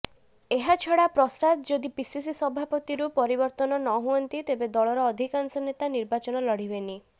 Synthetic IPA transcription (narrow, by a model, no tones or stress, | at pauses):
eɦat͡ʃʰɔɽapɾɔsad̪d͡ʒod̪ipisisisɔbʱapɔt̪iɾupɔɾibɔɾt̪ɔnɔnɔɦuɔnt̪it̪ebed̪ɔɭɔɾɔːd̪ʱikansɔnet̪aniɾbat͡ʃɔnɔlɔɽ̤ibeni